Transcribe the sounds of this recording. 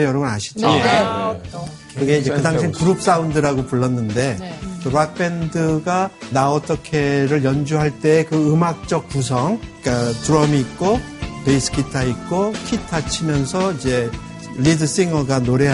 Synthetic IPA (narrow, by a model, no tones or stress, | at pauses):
jʌɾʌɡɯnaɕʰi̥d͡ʑi | kɯɡe̞id͡ʑekɯdaŋɕʰimkuɾup̚s͈aundɯɾaɡopuɭːʌnːɯnde̞toɾak̚p͈e̞ndɯɡanaʌt͈ʌkʰe̞ɾɯɭjʌnd͡ʑuɦaɭt͈e̞ːkɯɯmak̚t͡ɕ͈ʌk̚p͈us̬ʰʌŋk͈atuɾʌmiːt̚k͈o | peisʰɯ̥kʰitʰaik͈okʰitʰat͡ɕʰimjʌnsʰʌid͡ʑe̞ | lidɯs͈eŋʌɡanoɾe̞